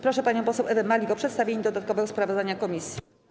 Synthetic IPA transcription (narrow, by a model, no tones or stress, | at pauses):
pɾɔʂɛpaɲɔ̃pɔsɛwʔɛvɛmalʲiɡɔpʂɛt̪st̪avʲeɲid̪ɔd̪at̪̚kɔvɛɡɔspɾavɔzd̪aɲakɔmʲisʲji